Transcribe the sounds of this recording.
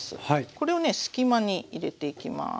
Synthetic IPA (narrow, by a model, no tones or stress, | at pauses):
sɨ̰haiko̞ɾe̞one̞sɨ̥kʲimaɲ̟iiɾe̞t̪e̞ikʲima̰